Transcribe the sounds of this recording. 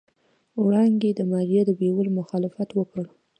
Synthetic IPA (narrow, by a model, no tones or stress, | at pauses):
wɽɑŋɡed̪əmɑɾijed̪əbewəlmʊxɑlɪfat̪wəkəɽ